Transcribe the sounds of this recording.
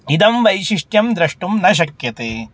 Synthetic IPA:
id̪ɐmʋɐjʃiʂʈjɐmd̪ɾɐʂʈumnɐʃ̬ɐkjɐt̪eː

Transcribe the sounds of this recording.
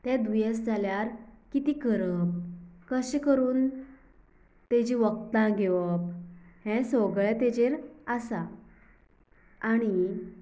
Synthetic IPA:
t̪ɛ̃d̪ʋjesd͡zʱaljaɾkit̪iːkəɾəp̚kəɕekəɾuːn | t̪ɛd͡ʑiʋək̚t̪ãɡeʋəp̚hɛ̃soɡɭɛt̪ɛd͡ʑeɾəsa | aɽ̃i

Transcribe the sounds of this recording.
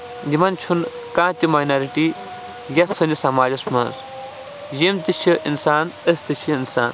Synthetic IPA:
d̪imɐnt͡ʃʰun | kãːt̪imaːjnɐɾiʈi | jɐsɐnisɐmaːd͡ʒɐsmɐnz | jimt̪ɨt͡ʃʰiʔinsaːnəst̪ɨt͡ʃʰiinsa̰ːn

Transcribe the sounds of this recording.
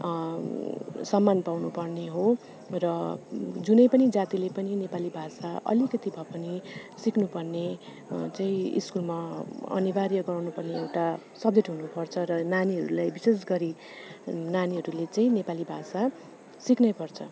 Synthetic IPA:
sʌmːanpawnupʌrneɦo | rʌd͡zunʌjpʌnid͡zat̪ilepʌninepalibʱasaʔʌ̰likʌt̪ibʱʌpʌnisiknupʌrne | t͡saĩḭskulmaʌ̰nibarjʌɡʌrnupʌrneewʈa | sʌb̚d͡zeʈɦunupʌrt͡sʰʌɾʌnaniɦʌ̰ɾulajbisesɡʌɾi | naniɦʌɾulet͡saĩnepalibʱasa | siknʌjpʌrt͡sʰʌ

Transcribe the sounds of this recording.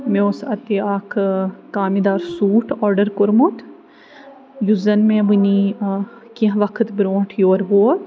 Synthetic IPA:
meosɐt̪eaːkʰkaːmid̪aːɾsuːʈʰɔːɾɖəɾkoɾmot̪ | juzɐnmẽbuni | kiɦʋɐkʰət̪bɾoːʈʰjoːɾɦoːt̪

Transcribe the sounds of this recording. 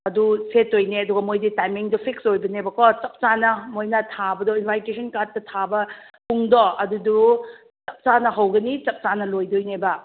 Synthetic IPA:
ɐdusetːojneɐduɡɐmojditajmiŋdɔpʰiksojbɐnebɐkɔt͡ʃɐp̚t͡ʃanɐmojnɐtʰabɐdɔinpʰajkesʰɐnkatːɐtʰabɐpʰuŋdɔɐdudu | t͡ʃɐp̚t͡ʃanɐɦɐwɡɐnit͡ʃɐp̚t͡ʃanɐlojdojnebɐ

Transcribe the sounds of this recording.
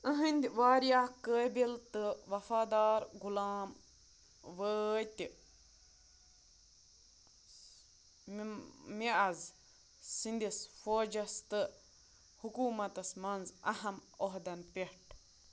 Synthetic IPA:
əɦɨnʲd̪ʋaːɾjaːkəːbilt̪ɨʋɐfaːd̪aːɾɡulaːm | ʋət̪i | miʔɐz | sind̪isfoːd͡ʒɐst̪ɨ | hukuːmɐt̪ɐsmɐnzɐhɐmoɦd̪ɐnpehʈ

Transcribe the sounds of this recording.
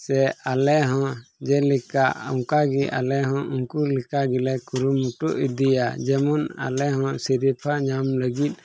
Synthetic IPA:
sɛalɛɦɔ̃d͡ʒɛlikaʔɔŋkaɡiʔa̰lɛɦɔ̃ʔuŋkulikaɡilɛkuɾumːuʈɔʔid̪ijad͡ʒɛmɔna̰lɛɦɔ̃siɾipʰaɲamləɡit̪̚ˀ

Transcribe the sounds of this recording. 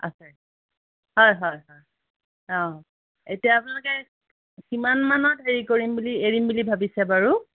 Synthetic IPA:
a̰sɛ | hɔjɦɔjɦɔj | ɔ̃ | etijaːpunalʊkɛ | kimanmanɔdʱeɹikoɹimbulieɹimbulibʱabisɛbaɹu

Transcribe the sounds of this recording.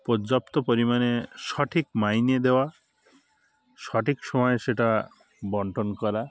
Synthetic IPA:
pɔd͡ʒap̚t̪ɔpɔɾimaneʃɔʈʰikmajned̪ewa | sɔʈʰiksɔmɔjeseʈa | bɔɳʈɔnkɔɾa

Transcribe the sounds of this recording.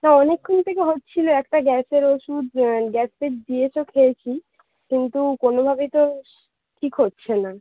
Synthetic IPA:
naɔnekʰːont̪ʰek̬eɦotːt͡ɕʰiloɛkʈaɡɛseɾoʃud̪ɡɛsp̪ed̪iet͡ɕʰokʰeet͡ɕʰi | kint̪ukonobʱabet̪o | ʈʰikɦotːɕʰena

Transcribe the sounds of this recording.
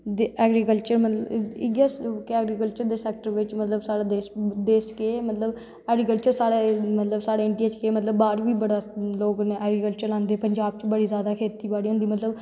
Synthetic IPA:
d̪eɛːɡɾikəlt͡ʃəɾmət̪ləɪɡakɛːɡɾikəlt͡ʃəɾd̪eːsɛːk̚ʈəɾʋɪt͡ʃmət̪ləbsaːɽaːd̪eːsd̪eːsə̥keːmət̪ləb | ɛːɡɾikəlt͡ʃəɾsaːɽeːmət̪ləbsaːɽeːɪɳʈiːet͡ʃkeːmət̪ləbːaːɾʋiːbəɽaːloːkneːʔɛːɡɾikəlt͡ʃəɾlãːnd̪eːpəɲd͡ʒaːb̚t͡ʃbəɽiːzjaːd̪aːkʰeːt̪iːbaːɽiːɦʊ̃nd̪iːmət̪ləb

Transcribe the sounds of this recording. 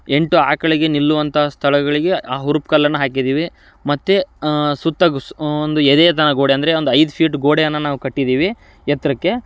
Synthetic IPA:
e̞ɳʈuaːkɐɭiɡe̞nilːuʋɐnt̪ʰɐːst̪ʰɐɭɐɡɐɭiɡe̞aːɦuɾupkɐlːɐnːɐɦaːkid̪iːʋi | mɐt̪ːesut̪ːɐɡond̪ued̪eːt̪ɐnɐɡo̞ːɽeɐnd̪ɐɾe̞o̞nd̪uɐjd̪upʰiːʈɡoːɽejɐnːɐnaːʋukɐʈːid̪iːʋi | jɛt̪ɾɐkːe̞

